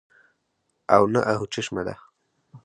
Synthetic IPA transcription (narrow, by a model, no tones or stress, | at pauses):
a̰wnaʔaɦut͡ʃɪʃmad̪a̰